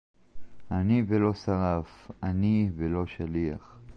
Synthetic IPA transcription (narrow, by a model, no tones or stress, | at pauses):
anivelo̞saʁafanivelo̞ʃalia̰χ